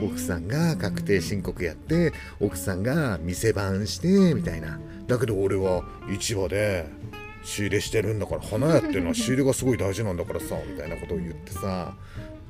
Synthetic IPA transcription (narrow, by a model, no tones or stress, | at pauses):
o̞kɯ̟̥sãŋɡakakɯ̟̥t̪e̞ːɕĩŋko̞kɯ̟jat̪ːe̞ | o̞kɯ̟̥sãŋɡamʲise̞bãɰ̃ɕi̥t̪e̞mʲit̪aina | d̪ake̞d̪o̞ːɾe̞βa | it͡ɕiβad̪e̞ | ɕiːɾe̞ɕi̥t̪e̞ɾɯ̟̃nd̪akaɾahanajat̪ːeɯnoaɕiːɾeɡasɨɡo̞id̪aiʑinãnd̪akaɾasamʲit̪ainako̞t̪o̞ːjɯ̟t̪ːe̞sa